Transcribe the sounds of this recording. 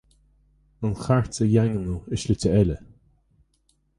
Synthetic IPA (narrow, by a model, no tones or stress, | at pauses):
ənxaɹtəjaŋənuɪʃlɪtəɛlə